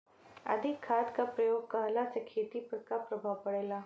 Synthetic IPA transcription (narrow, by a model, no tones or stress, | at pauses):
ɐ̰d̪ʱɪkʰːaːt̪kapɾɐjoːɡ̚kɐɦlasekʰeːt̪ipɐɾkapɾɐbʱaʋpɐɽeːlaː